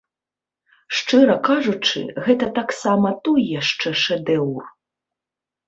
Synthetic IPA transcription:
ʂt͡ʂɨɾɐkaʐut͡ʂɨ̰ɣɛt̪ɐt̪aksamɐt̪ɔjjaʂt͡ʂɛʂɛd̪ɛwr

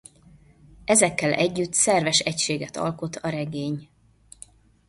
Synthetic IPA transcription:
ʔɛzɛkːɛlʔɛɟːyt̪sɛrvɛʃɛcʃeːɡɛt̪ɒ̰lko̞t̪ʰɒɾɛɡeːɲ

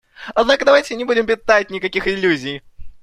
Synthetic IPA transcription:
ɐd̪nakəd̪ɐvajtʲɪnʲɪbudʲɪmpʲɪt̪atʲnʲɪkɐkʲixɪlʲːuzʲɪj

